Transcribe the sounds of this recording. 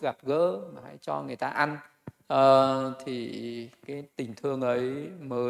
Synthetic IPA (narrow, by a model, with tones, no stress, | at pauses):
ɣa˨˩p̚ɣə̰ː˧˥maː˨˩ha̰ː˧˥jt͡ɕɔ˧ŋɨ˨˩ə˩jt̪aː˧ʔa˧n | ʔəː˨˩t̪ʰi˨˩kaː˨˦jt̪ï˨˩ŋ̟t̪ʰɨ˧əŋʔə˨˦jməː˨˦